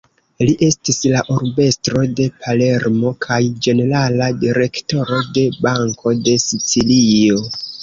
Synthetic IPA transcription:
liʔe̞stislaʔoɾbe̞stɾo̞de̞pʰale̞ɾmo̞kʰajd͡ʒe̞ne̞ɾaladiɾe̞kto̞ɾo̞de̞baŋkʰo̞de̞sit͡silio̞

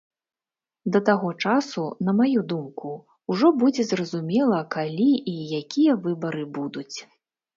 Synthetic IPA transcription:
d̪ɐt̪aɣɔt͡ʂasun̪ɐmajud̪umku | uʐɔbud͡zʲɛzrɐzumʲɛlˠɐkalʲiʔijakʲijɐvɨbɐɾɨbud̪ut͡sʲ

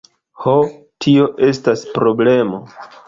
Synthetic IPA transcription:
ho | tʰio̞ʔe̞staspɾo̞ble̞mo̞̰

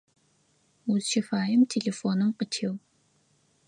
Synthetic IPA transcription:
uzʃifaːjɪmtʰeɮefoːnɨmqətʰeːw

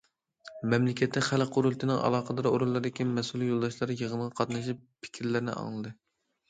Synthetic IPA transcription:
mɛmlɪkʲɛt̪ːɛχælqʰoɾulˠt̪ʰɨnɨŋʔɑ̰lˠɑːqəd̪ɑɾoɾulˠːɑɾd̪ɪkʲimɛsulˠijolˠd̪ɑʃlˠɑɾjəʁənʁɑqʰɑt̪nɑʃ̬ippʰɪ̥kʲʰɾlɪɾɪnɪ̰ɑ̰ŋlˠɨd̪ɨ

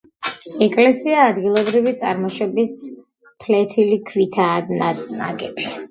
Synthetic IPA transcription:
ɛkʼlɛsiaːd̪ɡilˠɔbɾivit̪sʼa̰ɾmɔʃwɛbis | pʰlɛt̪ʰilikʰvit̪ʰanana̰ɡɛb̥i

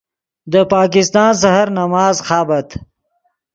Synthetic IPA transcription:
d̪əpɑːkɪst̪ɑːns̬aɦaɾnamɑːzxɑːbɐt̪

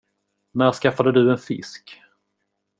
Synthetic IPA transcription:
næɾskafːad̪əd̪ɵɛnfɪ̰sk

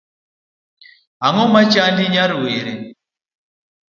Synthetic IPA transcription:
ɦaŋɔmat͡ʃʼandiɲaɾiweɾi

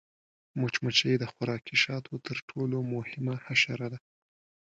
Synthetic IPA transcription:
mot͡ʃmat͡ʃəjd̪əxʊɾɑkiʃɑt̪ʰot̪əɾʈʰolomʊhɪmahaʃaɾad̪a

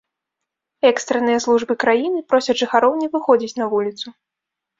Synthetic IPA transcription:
ɛkst̪ɾɐnɨjɐslˠuʐbɨkɾajinɨpɾɔsʲɐdʐɨxaɾɔwnʲɛvɨxɔd͡zʲit͡sʲnɐvulʲit̪su

